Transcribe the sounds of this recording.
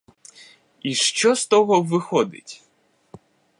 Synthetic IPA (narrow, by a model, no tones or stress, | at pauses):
iʃt͡ʃɔst̪ɔɦɔʋɪxɔd̪ɪ̰tʲ